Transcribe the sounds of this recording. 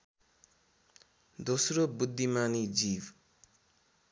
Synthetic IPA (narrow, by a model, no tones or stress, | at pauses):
d̪osrobud̪ʱːimanid͡zib